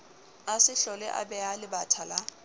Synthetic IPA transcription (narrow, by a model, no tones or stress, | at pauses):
asɪɬɔlɛ̰ʔa̰bɛalɪbatʰala